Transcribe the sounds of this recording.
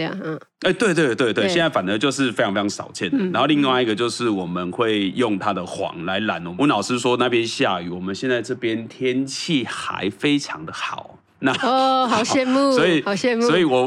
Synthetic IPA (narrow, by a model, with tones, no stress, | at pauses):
e˥˩t̪we˥˧ɪt̪wt̪we˥˧ɪt̪we˥˩ɕjna˥˩fa˨˩nə˨˦t͡ɕjo˥˧ʊʂ̬ɻ̩˥˩fe˥ɪ˧fe˥˧˥ŋ˥sɑ̰˨˩ʊt͡ɕʰjɛ˥˩nd̪ə˨˩na˨˧nxo˥˧li˥˧ŋwa˥˧ɪi˨˩ɡə˩t͡ɕjo˥˧ʊʂɻ̩˥˩wɔ˨˩mə˨nxwe˥˩ɪjʊ˥˨˩ŋt̪ʰa˥d̪ə˨xwɑ̰˧˦ŋla˧˦ɪla̰˨˦nwɔ˨wɔ˧˦nɑ˨˩ʊʂɻ̩˥swɔ˦na˥˩pjɛ˦nɕja˥˧y̰˨˩wɔ˨˩mə˨˦nɕjɛ˥˧nt͡sa˥˧ɪʈ͡ʂɤ˥˩pjɛ˦nt̪ʰjɛ˦˥nt͡ɕʰi˥˩xa̰˧˦ɪfe˦ɪʈ͡ʂʰɑ˧˦ŋd̪ə˨xɑ˨˩˦ʊ | na˥˧hɑ˨˩ɕɛ˥˧nu˥˨swɔ˧˥i˨ɑ˨˩ɕɛ˥˧msɔ˦˥i˨˩wɔ˨˩